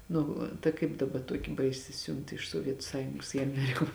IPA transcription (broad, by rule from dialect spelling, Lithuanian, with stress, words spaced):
ˈnʊ tɐ ˈkɐɪp dɐˈbɐ ˈtuɔkʲɪ ˈbɐɪsʲɪ ˈsʲʊnt ɪʃ suɔˈʋʲiɛtʊ ˈsɑːjʊŋɡoːs ɪ ɐˈmʲæːrʲɪkoː